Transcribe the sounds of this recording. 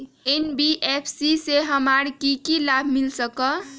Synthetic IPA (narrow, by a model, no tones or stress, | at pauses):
enbiʔepʰsiseɦəmaɾkikilabʱmilsəkə